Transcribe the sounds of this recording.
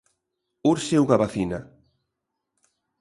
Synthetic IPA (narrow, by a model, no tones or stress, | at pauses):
uɾsewɣaβaθina